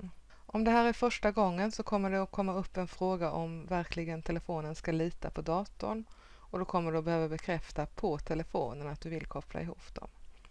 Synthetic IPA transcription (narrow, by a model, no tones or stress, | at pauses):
ʔɔmd̪ɛɦæːɾæɾfœʂʈaɡɔŋːənsɔkʰɔmːəɖɛɔkʰɔmːaɵpːɛnfɾoːɡaʔɔmvæɾkʰlɪɡənt̪ʰɛləfoːnənskaliːt̪a̰pʰɔd̪ɑːt̪ʊ̰n | ɔd̪ɔkʰɔmːəɖɛɔbɛhøːvabɛkʰɾɛft̪apʰɔt̪ʰɛləfo̰ːnənat̪̚d̪ɵvɪlkʰɔpʰla̰ɪɦṵːpd̪̥ɔ̰m